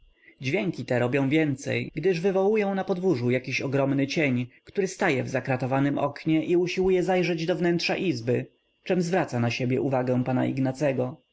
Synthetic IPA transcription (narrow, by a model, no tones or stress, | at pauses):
d͡ʑvʲjɛŋkʲit̪ɛɾɔbʲjɔ̃w̃vʲjɛnt̪sɛ̰jɡd̪ɘʐvɘvɔwujɔ̃w̃napɔd̪vuʐujakʲiɕɔɡɾɔmnɘt͡ɕeɲkt̪uɾɘst̪ajɛvzakɾat̪ɔvanɘmɔ̰kɲɛʔiuɕiwujɛzajʐɛd͡ʑd̪ɔvnɛntʂa̰ʔizbɘ | t͡ʂɛmzvɾat̪sanaɕebʲjɛ̰ʔuvaɡɛ̃w̃pana̰ʔḭɡnat̪sɛɡɔ